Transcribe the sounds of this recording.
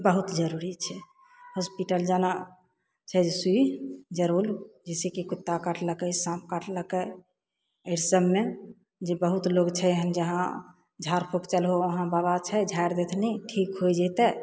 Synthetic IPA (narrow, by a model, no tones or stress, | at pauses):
bəɦut̪d͡ʒəɾuɾit͡ʃʰɛ | hospiʈəld͡ʒana | t͡ʃʰɛd͡ʒsuid͡ʒəɾuld͡ʒɛsekekut̪ːakaʈʰləkəjsãpʰkaʈləkə | əjɾsəbme | d͡ʒebəɦut̪loɡt͡ʃʰɛɦənd͡ʒəɦã | d͡ʒʱaɾpʰokt͡ʃəlɦoəɦãbabat͡ʃʰɛd͡ʒʱajɾd̪et̪ʰniʈʰikɦod͡ʒɛt̪ɛ